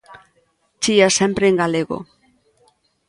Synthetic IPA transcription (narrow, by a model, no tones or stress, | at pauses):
t͡ʃiasempɾeːŋɡaleɣo̰